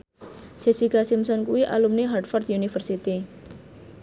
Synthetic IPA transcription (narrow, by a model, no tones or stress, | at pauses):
d͡ʒ̥ɛ̤sikasimsɔnkuwiʔa̰lumneɦarʈfɔrt̪unifərsit̪i